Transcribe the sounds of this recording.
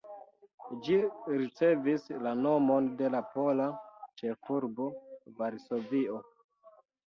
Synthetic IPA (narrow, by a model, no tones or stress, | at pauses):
d͡ʒiɾit͡se̞vislano̞mo̞nde̞lapo̞lat͡ʃe̞fuɾbo̞vaɾso̞vio̞